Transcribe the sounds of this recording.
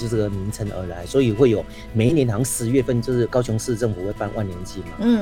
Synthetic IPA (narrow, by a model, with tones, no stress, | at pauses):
o˥˧ʂə˥˩ɡə˩mi˧˥ŋt͡sʰə˧˥ŋə̰˞˧˥la˧˥ɪswɔ˧˥i˨˩xwe˥˩ɪjo˨˩ʊ | me˨˧˥ɪnjɛ˧˥nt̪ʰɑ˧˥ŋsɹ̩˧˥ɥɛ˥˧fə˥˧nt͡ɕjo˥˧ʊʂɻ̩˥˩kɑ˥ʊɕʊ˧˥ŋʂɻ̩˥˧ʈ͡ʂə˥˩ŋfu˨˩we˥˧ɪpa˥˧nwʔa˥˩nljɛ˧˥nt͡ɕʰi˥˩mɐ˩˥˩